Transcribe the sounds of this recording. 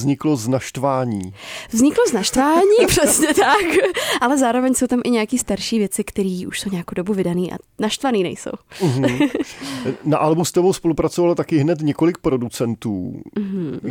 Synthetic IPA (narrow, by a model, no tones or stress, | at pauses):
zɲɪkloznaʃt̪vaːɲiːvzɲɪkloznaʃt̪vaːɲiːpr̥ɛsɲɛt̪akʔalɛzaːɾovɛɲso̞wt̪amʔɪɲɛakiːst̪aɾʃiːvjɛt͡sɪkt̪ɛɾiːʔuʃso̞wɲɛjakowdo̞buvɪdaniːʔa̰naʃt̪vaniːnɛ̰jso̞̰w̩ɦ | naʔalbust̪ɛbowspo̞lupɾat͡sovalt̪akɪɦnɛt̪ɲɛkolɪk̚pɾodut͡sɛnt̪ṵːɦ̩